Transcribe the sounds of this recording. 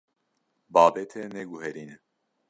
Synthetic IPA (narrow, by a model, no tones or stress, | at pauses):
bɑːbɛt̪ʰɛnɛɡuɦɛɾiːnɛ